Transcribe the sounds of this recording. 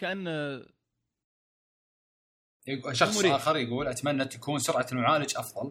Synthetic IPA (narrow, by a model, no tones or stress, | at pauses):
kaʔanː | ʃɑxsˤʔaːxɑɾˤjaɡuːlʔat̪amanːat̪ʰakuːnsʊɾʕalmʊʕaːlɪd͡ʒʔɑfðˤɑl